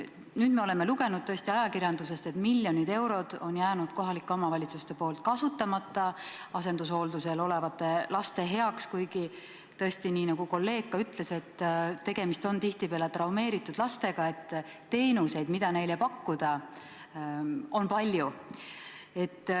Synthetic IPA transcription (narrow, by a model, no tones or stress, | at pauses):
nyːd̪̥me̞o̞lemeluɡ̥e̞nud̪̥̚t̪ɤesʲt̪iɑjɑkiɾjɑnd̪us̬e̞st̪e̞t̪milʲːjo̞nid̪e̞wɾo̞d̪̥o̞njæːnud̪̥ko̞ɦɑlikːˑe̞o̞mɑvɑlʲit̪sust̪e̞po̞ːlt̪̚ˑkɑsut̪ːˑɑmɑt̪ːˑɑɑse̞nd̪̥us̬oːld̪use̞lo̞le̞vɑt̪ːˑe̞lɑst̪e̞ɦe̞ɑkskujɡi | t̪ɤ̞est̪iniːnɑɡ̥uko̞lːe̞ːɡkːɑyt̪le̞se̞t̪ːt̪ːe̞ɡ̥e̞mist̪o̞nt̪iht̪ipe̞ːlet̪ɾɑwme̞ːɾit̪ːˑud̪̥lɑst̪e̞ɡ̥ɑe̞t̪ːe̞ːnuse̞jd̪̥mid̪̥ɑne̞jlepɑkːud̪̥ɑ | o̞npɑlʲju | e̞t̪ː